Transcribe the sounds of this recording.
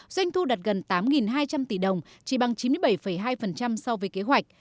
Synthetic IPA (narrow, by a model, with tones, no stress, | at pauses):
zwa˧jŋ̟t̪ʰu˧ɗaː˨˩t̚ɣə˨˩nt̪aː˨˦mŋi˨˩nɦaː˧jt͡ɕa˧mt̪i˧˩ɗə˨˩wŋ͡m | t͡ɕi˧˩ɓa˧ŋt͡ɕi˨˦mɨ˧əjɓə˧˩jfə˧˩jɦaː˧jfə˨˩nt͡ɕa˧msɔ˧wvəː˨˦jke˨˦ɦwa˨˩jk̟̚